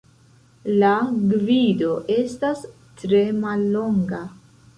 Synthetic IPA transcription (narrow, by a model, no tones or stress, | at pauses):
laɡvido̞ʔe̞stas | tɾe̞malːo̞ŋɡa